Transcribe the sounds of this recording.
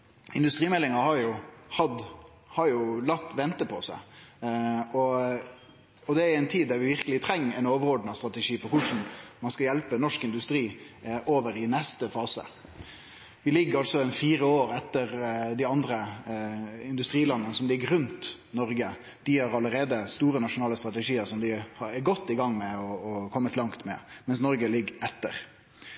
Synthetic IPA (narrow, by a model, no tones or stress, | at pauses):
ɪnd̪ʉst̪ɾiːmɛlːɪŋɑhɑɾjʊhɑd̪ | hɑɾjʊlɑt̪ːʋɛnt̪əpʰɔsæ̰ | ɔ | ɔd̪ɛæɾæɪnt̪ʰiːd̪d̪æɾʋɪʋɪɾkəlɪt̪ʰɾɛŋːæɪnoːʋəɾɔːd̪n̩ɑst̪ʁɑt̪ɛʂiːfɔɾkʰʊʂɳ̩mɑnskɑjɛlpənɔʂkɪnd̪ʉst̪ɾiːʔoːʋəɾɪnɛst̪əfɑːsə̰ | ʋɪlɪɡːɑlsɔɛnfiːɾəoːɾɛt̪ːəɾd̪ɪɑnd̪ɾə | ɪnd̪ʉst̪ɾiːlɑnːənəsɔmlɪɡːəɾʉnt̪ | nɔɾɡə | d̪̥ɪhɑɾɑləɾeːd̪əst̪uːɾənɑʂʊnɑːləst̪ɾɑt̪əʂiːəɾsɔmd̪ɪhɑɾɛɾɡɔt̪ːɪɡɑŋːmɛɔːkʰɔmːət̪lɑŋt̪mɛ̰mɛnsnɔɾɡəlɪɡɛt̪ːə̰ɾ